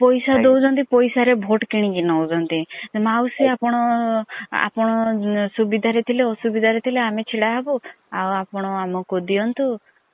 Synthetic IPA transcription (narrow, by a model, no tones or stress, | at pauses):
pɔjsad̪owd͡ʒɔnt̪ipɔjsaɾebʱoʈkiɽ̃ĩɡinɔwd͡ʒɔnt̪imawsiapɔɽ̃ɔ | a̰pɔɽ̃ɔsubid̪ʱaɾet̪ʰileɔsubid̪ʱaɾet̪ʰileamet͡ʃʰiɽaɦbu | awapɔɽ̃ɔamɔkud̪iɔnt̪u